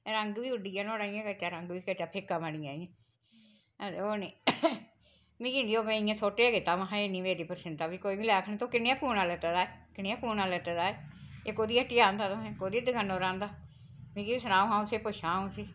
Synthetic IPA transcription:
ɾəŋɡʋiːʊɖiːãːnoːɽaːĩãːkət͡ʃaːɾəŋɡʋiːkət͡ʃaːpʰɪkːaːmaɽiːãːiãː | d̪oːniː | mĩːkiːnd̪iːoːpẽiːãːsoːʈeːaːɡɪt̪aːmãɦãːeːniːmeːɾiːpəɾsɪnt̪aːʋiːkoːiːʋiːlɛːkʰnẽt̪õːkɪneːãːpuːnaːlɛːt̪eːd̪aːekɪneːãːpuːnaːlɛːt̪eːd̪aːeeːkoːd̪iːaʈːiːaːnd̪aːt̪õːɛ̃ːkoːd̪iːd̪əɡənːõːɾãːnd̪aː | mĩːkiːiːsənãːũːãːʊseːpʊʃãːũːsiː

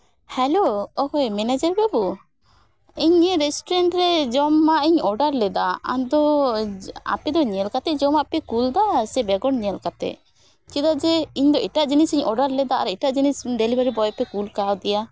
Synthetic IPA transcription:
hɛloɔkɔjmɛnad͡ʒaɾbɛbu | iɲɛɾɛsʈɔɾɛɳʈɾɛd͡ʒɔmːaʔiɲɔɖaɾlɛd̪aa̰d̪ɔ | a̰pɛd̪ɔɲɛlkat̪ɛd͡ʒɔmapɛkuld̪asɛbɛɡɔɽɲɛlkat̪ɛ̰ʔ | t͡ʃid̪ad͡ʒɛiɲd̪ɔiʈaʔd͡ʒinisiɲɔɖaɾlɛd̪aa̰ɾiʈaʔd͡ʒinisɖelibaɾibɔjpɛkulkawd̪ɛja

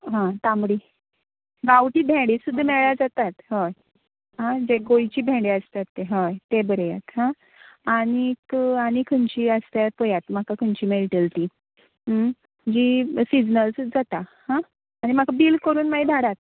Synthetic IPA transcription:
ɦãt̪ãmɽiː | ɡawʈiːbʱẽɽiːsud̪ʱːəmɛɭjad͡zat̪at̪ɦəj | ɦãd͡ʑeɡojt͡ɕiːbʱẽɽeəst̪at̪ːeɦəjt̪ebəɾjat̪ɦã | aɽ̃ikaɽ̃ikʰənt͡ɕiːəst̪japəjat̪m̤akakʰənt͡ɕiːmelʈəlt̪iː | d͡ʑiːsid͡znəlsd͡zat̪ahãː | ɽ̃im̤akabiːlkəɾuːnmaid̪ʱaɽat̪̚

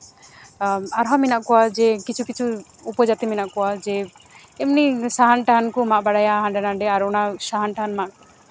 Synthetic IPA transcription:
aɾɦaminaʔkɔwad͡ʒɛkit͡ʃʰukit͡ʃʰu | upɔd͡ʒat̪iminaʔkɔwad͡ʒɛ | ɛmnisaɦanʈaɦankɔmaʔbaɽajaɦãɖɛnaɖɛaɾɔnasaɦanʈaɦanmaʔkɔ

